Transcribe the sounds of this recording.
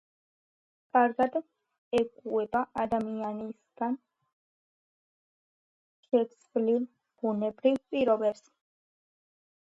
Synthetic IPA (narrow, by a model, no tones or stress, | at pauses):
kʼaɾɡad̪ | ɛkʼuɛbaʔad̪amianisɡ̥an | ʃɛsʰvlil | b̥unɛbɾivpʼiɾɔbɛps